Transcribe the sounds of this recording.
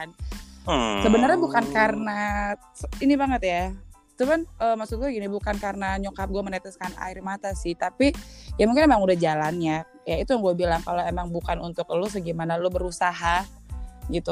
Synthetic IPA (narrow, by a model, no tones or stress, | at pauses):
n | səbənərɲabukankarna | sinibaŋət̪ja | tumanəːmaksʊt̪̚ɡuaɡinibukankarnaɲokap̚ɡuamənɛt̪ɛskana̰ɪrmat̪asɪht̪apijamuŋkɪnemaŋudahd͡ʒalanɲa | jait̪ujaŋɡuabilaŋkaloemaŋbukanunt̪ʊk̚lʊsəɡimanalʊbəɾusaɦa | ɡit̪u